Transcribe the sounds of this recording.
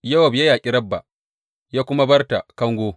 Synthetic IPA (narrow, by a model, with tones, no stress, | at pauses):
jɐ˦wɐ˨bja˦jaː˨kʲʼɪ˦ɾɐ˦bːa̰˨ | jaː˦kʷʊ˦ma˦bɐ˦rta˨kɐ˦ŋɡʷoː˦